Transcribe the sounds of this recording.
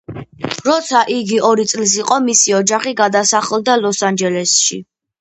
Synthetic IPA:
ɾɔt̪sʰaʔiɡiɔɾit̪sʼlis̬iqʼɔmisiɔd͡ʒaχiɡad̪asaχɛlˠd̪alˠɔsand͡ʒɛlɛsʃḭ

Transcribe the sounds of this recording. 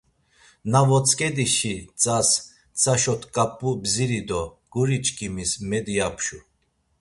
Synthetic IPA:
navɔt͡sʼkʼɛd̪iʃit͡sʼas | t͡sʼaʃɔt̪ʰkʼapʼubziɾid̪ɔ | ɡ̥uɾit͡ʃʼkʼimismɛd̪ijapʰʃu

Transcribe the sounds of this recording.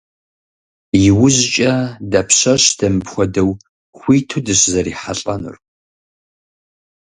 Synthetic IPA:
jɪwʊʑt͡ʃʼɐdɐpʰɕɐɕd̥ɐmɨpxʷɔdɐw | xʷiːtʰudɨɕzɐɾiːħaɬʼɐnɨ̰r

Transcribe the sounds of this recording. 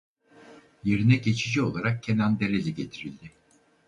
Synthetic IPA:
jeɾinɛɟe̞t͡ʃʰid͡ʒio̞lˠaɾak̚cʰenænd̪elelʲiɟe̞t̪ʰiɾilʲd̪ɪ

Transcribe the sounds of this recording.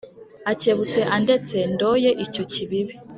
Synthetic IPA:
aceβut͡se̞ʔande̞t͡se̞ndojeʔico̞ciβiβi

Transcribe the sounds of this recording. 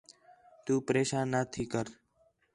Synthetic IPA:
t̪uːpəɾeːʃãːnːat̪ʰiːkəɾ

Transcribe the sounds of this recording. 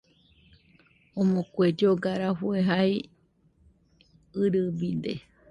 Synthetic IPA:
õmõkʷed͡ʒoɡaɾaɦueɦaj | ɨɾɨbid̪e

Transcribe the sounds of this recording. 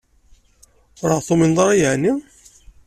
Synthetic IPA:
ɾəʁθominðˤɑɾˤɑjəʕni

